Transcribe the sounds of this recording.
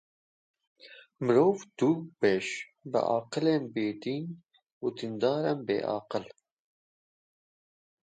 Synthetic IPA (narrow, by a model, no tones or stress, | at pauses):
mɨɾoːvd̪̥ubɛʃ | bɨ̰ʔɑ̰ːqɨlenbeːd̪iːn | ud̪ind̪ɑːɾɛmbḛːʔɑ̰ːqɨl